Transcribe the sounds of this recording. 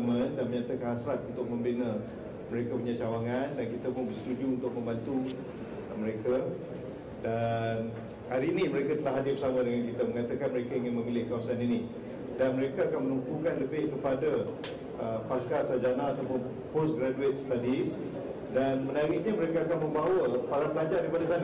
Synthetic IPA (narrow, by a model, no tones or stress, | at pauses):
mə̃ndanməɲat̪akanhasɾat̪̚unt̪ʊk̚mə̃mbinə | məɾekapuɲat͡ʃawaŋandankit̪apʊŋbəsə̥t̪uduunt̪ʊk̚mə̃mbant̪u | məɾeka | dan | haɾiːnĩməɾekat̪əlaɦadɪbəsamãdəŋankit̪aməŋat̪akanməɾekaiŋɪnmə̃milɪhkawasanini | danməɾekaakanmənumpukanləbɪhkəpada | əpaskasad͡ʒanaat̪awpʊn | posɡɾaduet̪̚st̪adis | danmənaɾiʔ̚ɲaməɾekaakanmə̃mbawəpaɾapəlad͡ʒadaɾipadasanə